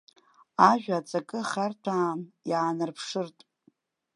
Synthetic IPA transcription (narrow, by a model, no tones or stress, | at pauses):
aʒᶣaːt͡sʼakʼɨχartʰaːmjʕaːnɨrpʰʂɨrtʼ